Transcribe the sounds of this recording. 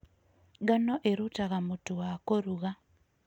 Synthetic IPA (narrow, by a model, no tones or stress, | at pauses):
ɡanɔʔeɾutaɣamotuwakoɾuɣa